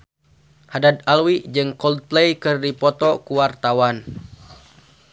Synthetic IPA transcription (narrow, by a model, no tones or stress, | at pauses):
hadad̪̚alwid͡ʒɨŋkɔlt̪lejkɨrdipɔt̪ɔkuwart̪awan